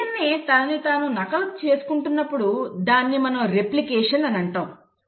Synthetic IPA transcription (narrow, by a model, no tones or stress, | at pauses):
ɐnːit̪aːnːit̪aːnunɐkɐlɐkt͡ʃeːsu̥kuɳʈunːɐpːuɽud̪aːnːimɐnɐmɾe̞plikeːʂɐnɐnɐɳʈaːm